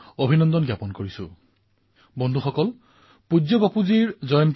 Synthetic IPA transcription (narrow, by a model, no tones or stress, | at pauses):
obʱinɔnd̪ɔnɡjapɔnkoɹisʊ̰̃ | bɔnd̪ʱuxɔkɔl | pud͡ʒɔbapuziɹzɔjɔnt